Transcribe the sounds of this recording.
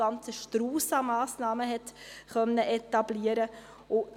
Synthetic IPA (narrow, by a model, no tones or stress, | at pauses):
ɑnt͡səʃtɾuːsɑmɑːsnɑːməɦɛt̪χœnːəʔɛtɑbliːəɾə | ʊ